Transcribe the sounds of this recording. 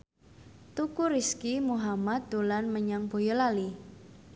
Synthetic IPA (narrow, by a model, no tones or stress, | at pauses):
t̪ukuɾiskimuɦamat̪̚d̪olanməɲaŋb̥o̤jɔlali